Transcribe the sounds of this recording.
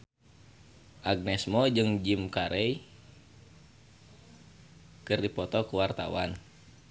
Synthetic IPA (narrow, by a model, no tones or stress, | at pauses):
ʔaɡ̚nɛsmɔd͡ʒɨŋd͡ʒimkaɾʔɛj | kɨrdipɔt̪ɔkuwart̪a̰wa̰n